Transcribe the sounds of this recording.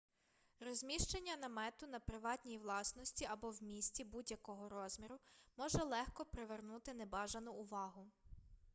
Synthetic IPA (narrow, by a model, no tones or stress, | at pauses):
rɔzʲmʲiʃt͡ʃenʲːɐnɐmɛt̪ʊnɐpɾɪʋɑt̪ʲnʲijiʋlˠɑsnɔsʲtʲiɐbɔwmʲisʲtʲibudʲjɐkɔɦɔɾɔzmʲiɾʊmɔʒɛlˠɛxkɔpɾeʋernut̪ɪnebɑʒɐnʊʊʋɑɦʊ